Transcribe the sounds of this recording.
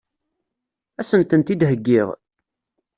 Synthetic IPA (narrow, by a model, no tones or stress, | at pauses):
æsənt̪ənt̪id̪ɦəɡːɪʁ